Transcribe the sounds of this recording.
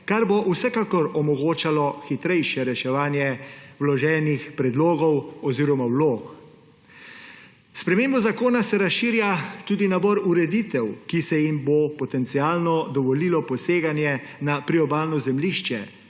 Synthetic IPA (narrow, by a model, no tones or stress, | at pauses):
kaɾboʔwsɛkaːkɔɾɔmɔɡoːt͡ʃalɔxit̪ɾɛjʃɛɾɛʃɛʋaːnjɛwlɔʒɛːnixpɾɛd̪loːɡɔwɔziːɾɔmawloːk | spɾɛmeːmbɔzakoːnasɛɾasʃiːɾjat̪uːd̪inabɔɾuɾɛd̪it̪ɛwkisɛjimbopɔt̪ɛnt̪siaːlnɔd̪ɔʋɔlilɔpɔseːɡanjɛnapɾiɔbaːlnɔzɛmliʃt͡ʃɛ